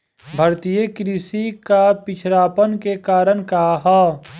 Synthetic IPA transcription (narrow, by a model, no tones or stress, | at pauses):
bʱɐɾt̪ijekɾisikapɪt͡ʃʰɾaːpənkekaːɾənkaɦa